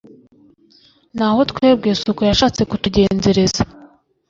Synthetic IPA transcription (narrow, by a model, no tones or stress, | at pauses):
n̥aːho̞tkweːb̚ɡeːsukojaʃaːt͡se̞kutuɟe̞ːnze̞ɾeza